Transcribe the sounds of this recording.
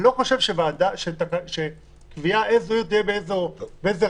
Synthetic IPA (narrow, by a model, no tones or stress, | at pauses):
lo̞χoʃe̞vʃevaːd̪aʃet̪akaʃe | kviaʔezojot̪ijebeezobeeze